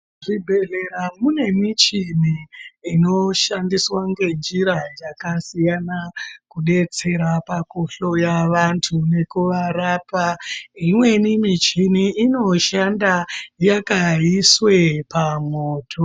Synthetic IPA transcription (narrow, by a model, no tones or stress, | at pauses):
ʐibʱe̞ɮeɾamune̞mit͡ʃiniːno̞ʃandiswaŋɡe̞nd͡ʒiɾad͡zakasijanakuɗe̞t͡se̞ɾapakoɬo̞jaʋantʰune̞kuʋaɾaːpaimwe̞nimit͡ʃiniʔino̞ʃandajakaiswepamoːtʰo